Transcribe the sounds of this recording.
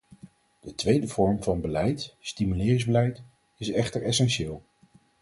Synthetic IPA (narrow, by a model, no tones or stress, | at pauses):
d̥ətʋejdəv̥ɔɹmvɑnbəlɛjtstimylɪːrɪŋzbəlɛjt | ɪsɛχtəɹɛsɛnʃɪːlˠ